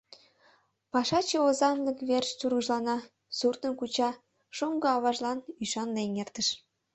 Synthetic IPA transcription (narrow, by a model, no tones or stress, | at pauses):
pɑʃɑt͡ɕeozɑnlɤkβʲerʃt͡ɕurɣɯʒlɑnɑ | surt̪ə̆nkut͡ɕɑ | ʃuŋɡɤ̆ɑβɑʒlɑnyʃɑnlenʲert̪ə̆ʃ